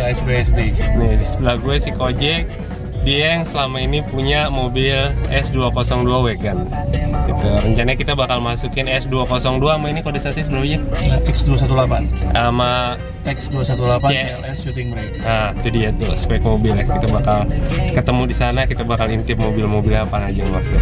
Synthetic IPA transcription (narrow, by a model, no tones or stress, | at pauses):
ɛsbeɛsbenɛslaɡuasikod͡ʒɛk̚ | diajaŋsəlamainipuɲamobɪlɛsduakosɔŋduawɛkankit̪aɾəɲt͡ʃanaɲakit̪abakalmasukɪnɛsduakosɔŋduamainikodisasisəbəɾaɲaat̪ɛksduasat̪ulapanama | t̪ɛksduasat̪ulapaɛɛlɛsʃut̪ɪŋmɾɛkad͡ʒadijat̪usə̥pɛkmobɪlakit̪abakalkət̪əmudisanakit̪abakalint̪ɪp̚mobɪlmobɪlapanad͡ʒamasʊ